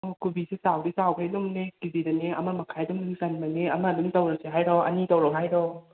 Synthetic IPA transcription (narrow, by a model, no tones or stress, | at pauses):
okubisesawdisawkʰajlumnekizidɐneɐmamɐkʰajduŋlusanmɐneɐmadumtɐwɾɐseɦajɾɔɐ̰nitɐwɾɔɦajɾɔ